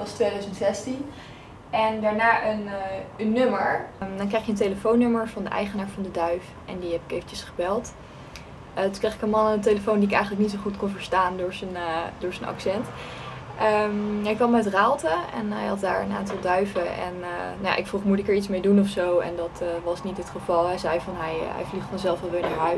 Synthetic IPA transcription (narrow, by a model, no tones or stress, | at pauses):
ɑstʋejdœɥzəntsɛstin | ɛndaːɹnaːʔənənːøməɹdɔnkrɛjχjənteləfownːøməɹvɑndəʔɛ̰jχənaːɹvɑndədœɥf | ʔɛ̰ndiɦɛpɪ̥kejvəncəsχəbɛlˠt | ətukrejχɪ̥kənmɑnəntejləfowndiɪkɛ̰jχənlək̚nitsoχutkonvəɹstaːndʊːɹzəndʊːɹzənɑ̰ksɛntʔəmɦɛjkʋɑmɛtraːlˠtəɛ̰nɦɛ̰jɦɑt̚da̰ːɹə̰na̰ːntɑlˠdœɥvəʔɛ̰nnaja̰ʔɪkfruχmutɪkəɹitsmejdunɔfsowɛ̰ndɑtʋɑsnitɦətχəv̥ɑlˠɦɛjzɛjvɑnɦɛjɦɛ̰jvliχfɑnzɛlˠfɑʋɪnaɹœ